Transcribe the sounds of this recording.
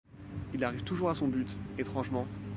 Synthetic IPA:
ilaʁivt̪uʒuʁasɔ̃byt̪et̪χɑ̃ʒmɑ̃

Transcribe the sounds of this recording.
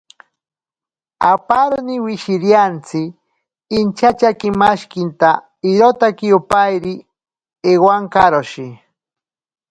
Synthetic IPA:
apaɾnɪwɪʃɪɾjant͡sɪː | nt͡ʃat͡ʃakɪmaʃkɪnt̪a | ɪɾot̪akɪjʊpajɾɪ | ewaŋkaɾoʃi

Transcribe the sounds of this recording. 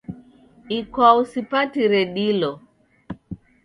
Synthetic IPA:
ikwausipatiɾɛɗilɔ

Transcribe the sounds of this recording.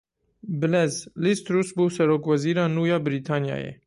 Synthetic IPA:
bəlɛzlist̪ɾusbusɛɾokvaziɾanujabɾit̪ʰanja̰jɛ̰

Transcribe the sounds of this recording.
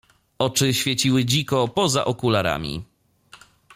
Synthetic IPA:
ɔt͡ʂɘɕfʲjɛt͡ɕiwɘd͡ʑikɔpɔza̰ʔɔkulaɾa̰mʲḭ

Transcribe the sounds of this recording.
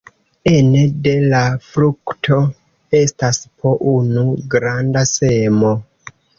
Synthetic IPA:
enede̞lafɾuktʰo̞ | e̞staspʰo̞ʔunuɡɾandase̞mo̞

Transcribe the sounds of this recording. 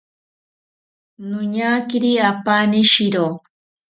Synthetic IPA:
nʊɲakiɾiapaniʃiɾo

